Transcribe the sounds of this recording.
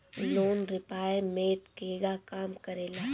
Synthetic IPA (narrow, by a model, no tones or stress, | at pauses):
loːnɾɪpaːemeːt̪keːɡakaːmkɐɾeːlaː